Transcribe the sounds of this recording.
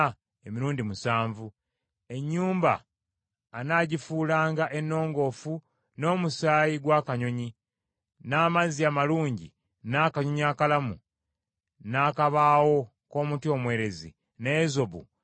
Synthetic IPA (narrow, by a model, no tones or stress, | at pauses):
emiɾuːndimusaːɱvu | e̞ɲːuːmba̰ː | naːɟifuːlaːŋɡaʔe̞nːo̞ːŋɡo̞fu | no̞ːmusaːjiɡwaːkaɲo̞ɲi | naːmaziaːmaluːɲɟḭ | naːkaɲoɲiaːkalamṵ | naːkaβaːwo̞ | ko̞ːmutio̞mwe̞ːɾe̞zḭ | nezo̞βṵ